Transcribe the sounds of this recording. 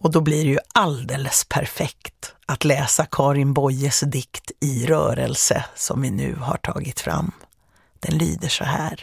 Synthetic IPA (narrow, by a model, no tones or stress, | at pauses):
ɔd̪ɔbliɖɛjɵald̪eːləspʰæɾfɛkt̪at̪lɛːsakʰɑːɾɪnbɔjəsd̪ɪkt̪ɪɾœːɾə̰lsəsɔmvɪnʉ̟̰ːha̰ʈʰɑ̰ːɡɪt̪fɾa̰mː | d̪̥ɛnlyːd̪əʂɔhæːɾ